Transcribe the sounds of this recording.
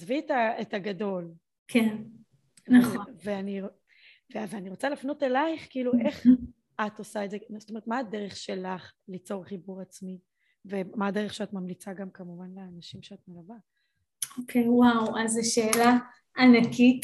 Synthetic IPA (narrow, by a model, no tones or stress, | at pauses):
zvietaetaɡado̞l | kʰen | aveani | veveaniʁo̞t͡salafno̞telajχkiiːluʔe̞χ | atosaezezsotome̞tmaːdeʁeχʃe̞laχlit͡so̞ʁχibuʁat͡smi | vemaːdeʁeχʃeatmamlit͡saɡamkamuvanleanaʃimʃeatmelava | okʰejwawazeʃeːla | anakit